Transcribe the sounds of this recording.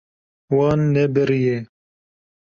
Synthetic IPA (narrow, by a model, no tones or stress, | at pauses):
wɑːnːɛbɨɾije